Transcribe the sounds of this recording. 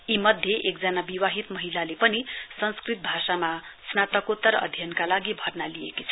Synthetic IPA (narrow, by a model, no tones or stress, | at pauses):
imʌd̪ʱjeʔek̚d͡zanabiwaɦit̪mʌɦilalepʌnisʌnskrit̪̚bʱasamasnat̪ʌkot̪ːʌɾʌ̰d̪ʱjʌnkalaɡibʱʌrnalijekit͡sʰʌ